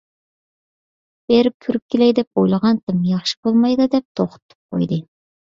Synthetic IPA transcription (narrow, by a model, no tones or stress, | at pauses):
b̥eɾɪp̚kʲʰyɾyp̚kʲelɛjd̪ɛp̚ojlˠəʁɑnt̪ʰɨmjɑχʃɪ̥bolˠmɑjd̪ɨd̪ɛp̚t̪ʰoχt̪ʰːɨ̥p̚qʰo̰jd̪ɨ